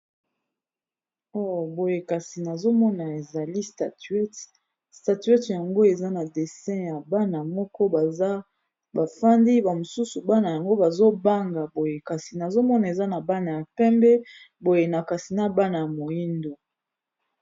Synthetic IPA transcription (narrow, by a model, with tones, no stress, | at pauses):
o˦˨bo˨je˨ka˨si˨na˨zo˦mɔ˦na˨e˨za˨li˦sta˨tɥɛ˦t | sta˨tɥɛ˦tja˨ŋɡo˦e˨za˦na˨de˨sɛ̃˦ja˨ba˦na˨mɔ˦kɔ˦˨˦ | ba˨fa˦ndi˦ba˨mo˨su˦su˨ba˦na˨ja˨ŋɡo˦ba˨zo˦ba˦ŋɡa˨bo˨je˨ka˨si˨na˨zo˦mɔ˦na˨e˨za˦na˨ba˦na˨ja˨pɛ˦mbɛ˦ | bo˨je˨na˨ka˨si˨na˦ba˦na˨ja˨mo˨ji˦ndo˨